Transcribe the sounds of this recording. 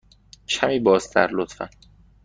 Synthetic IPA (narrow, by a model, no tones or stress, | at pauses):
cʰæmiːbɒːzd̪æ̰ɾlot̪fæ̰n